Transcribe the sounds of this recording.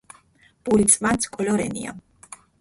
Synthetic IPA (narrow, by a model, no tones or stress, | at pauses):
b̥ulit̪sʼvant̪sʰkʼɔlɔɾɛ̰nḭa̰